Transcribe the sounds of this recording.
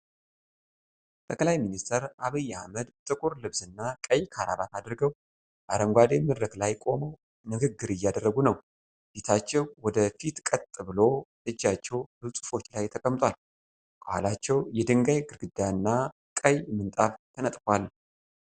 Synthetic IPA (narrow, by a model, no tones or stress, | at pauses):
t̪ʼʰəkʼlajminist̪ʰəɾaβəjːahməd̪t̪ʼɨkʼuɾlɨβzɨnːakʼəjkʰaɾa̰βat̪ʰad̪ɾɡəw | ʔa̰ɾəŋɡʷad̪emɨd̪ɾəklajkʼo̞məw | nɨɡɨɡːɨɾɨjːad̪ərːəɡunəw | fit̪ʰat͡ʃːɛwwɔd̪əfit̪kʼət̪ʼːɨbɨlo̞ | ɨd͡ʒːat͡ʃːɛwbɨsʼu̥fo̞t͡ʃːlajt̪ʰəkʼəmːt̪ʼwal | b̥əhʷa̰lat͡ʃːɛwjɛd̪ɨŋɡajɡɨɾɡɨd̪ːanːa | kʼəjmɨnt̪ʼaft̪ʰənət̪ʼkʷal